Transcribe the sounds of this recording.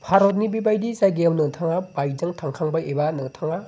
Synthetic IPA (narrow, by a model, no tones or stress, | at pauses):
pʰaɾɔt̚nibibajdizajɡejawnɯŋtʰaŋabajd͡ʒɐŋtʰaŋkʰaŋbɐebanɯŋtʰaŋa